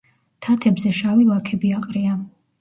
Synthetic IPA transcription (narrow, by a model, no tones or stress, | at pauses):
t̪ʰat̪ʰɛbzɛʃavilˠakʰɛbiaqʼɾia